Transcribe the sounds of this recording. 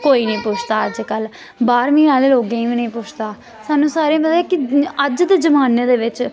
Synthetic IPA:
koːiːnəĩːpʊt͡ʃʰt̪aːəd͡ʒkəl | baːɾmĩːnaːleːloːɡẽːĩːʋĩːnəĩːpʊt͡ʃʰt̪aː | saːnũːsaːɾẽːbəd̪eːkɪəd͡ʒd̪eːd͡ʒəmaːneːd̪eːʋɪt͡ʃ

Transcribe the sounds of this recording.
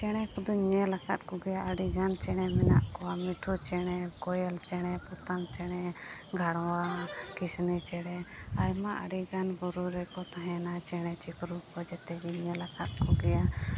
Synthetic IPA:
t͡ʃɛɽ̃ɛkud̪uɲɛlakat̪̚ˀkɔɡɛjaʔəɽiɡant͡ʃɛɽ̃ɛmɛna̰ʔkɔwamiʈʰut͡ʃɛɽ̃ɛkɔjɛlt͡ʃɛɽ̃ɛput̪amt͡ʃɛɽ̃ɛɡʱaɽ̃ɔwakisnit͡ʃɛɽ̃ɛajmaʔa̰ɽiɡanbuɾuɾɛkɔt̪aɦɛ̃nat͡ʃɛɽ̃ɛt͡ʃipʰɾukɔd͡ʒɛt̪ɛɡiɲɛlakʰat̪̚kɔɡɛja

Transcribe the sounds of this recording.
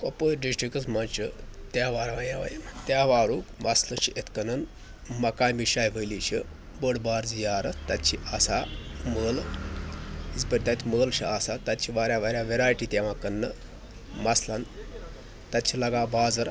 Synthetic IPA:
kopəɖisʈɾikəsmant͡ʃət̪jaːʋaːɾʋãjaʋa̰jimt̪jaːʋaːɾuːkmɐslɐʃiʔet̪kɐnɐn | mɐkaːjmiɕaːjʋəjliɕi | bəɽbaːɾzijaːɾɐt̪at̪t͡ʃʰiʔasaməːl | izpəɾʲt̪at̪ʲiməːlɕḭasat̪at̪̚t͡ʃʰiʋaːɾjaʋaːɾʲjaʋeɾaːjʈiːt̪ʲaʋãkɐnːə | mɐslɐn | t̪at̪t͡ʃʰilɐɡabaːd͡zɐɾ

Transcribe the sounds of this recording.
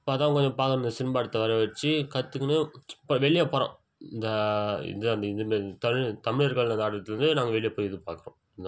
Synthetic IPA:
ɪpːoːt̪ãːkɔɲd͡ʒɔ̃paːkɐɾnd̪ɐsɪnɯbaːɐɽɯt̪ːɐʋɐɾɐʋɐt͡ʃːɯkɐt̪ːɯkːɯnɯpːɐʋɛɭɪjaːpɔɾõ̰ː | ɪnd̪ɐɪ̰ðɯɐnd̪ɐɪnd̪ɐmeːɾt̪ɐt̪ɐmɪɻiɐɾɣɐɭɐnd̪aːɽɐɐt̪ːɪlɾɯnd̪ɯnaːŋɡɐʋɛɭɪjapoːjɛðɯpaːkɯɾõ̰ɪnd̪ã

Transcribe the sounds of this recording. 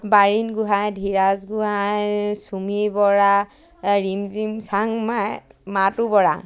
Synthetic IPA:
baɹinɡuɦajdʱiɹazɡuɦajsumibɔɹa | ɹimzimsaŋmamatubɔɹa̰

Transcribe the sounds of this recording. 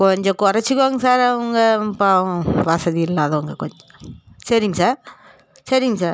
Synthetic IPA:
kɔɲd͡ʒɔkɔɾɐt͡ʃːikːoːŋɡɐsaːɾɐʋɐŋɡɐpaʋɐsɐðiɪlːaːðɐɐŋɡɐkɔɲd͡ʒɔsɐɾiŋɡɐsaːɾ | sɐɾiŋɡɐsaːɾ

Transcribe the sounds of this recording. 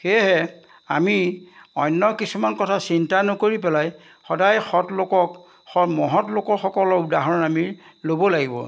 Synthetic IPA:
xeɦɛ | a̰miɔjnːɔkisumankɔtʰasintanɔkoɹipɛlaj | xɔdajxɔtlokɔk | ɔmɔɦɔtlokɔɹxɔkɔlɔudaɦɔamiɹlobɔlaɡibɔ̰

